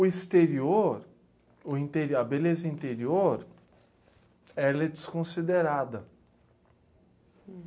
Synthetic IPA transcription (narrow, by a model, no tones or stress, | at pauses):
ʊist̪eɾioɾ | ʊĩnt̪eɾiɐbelezɐĩnt̪eɾioɾ | ɛlɛd͡ʒiskõsid̪eɾad̪ɐ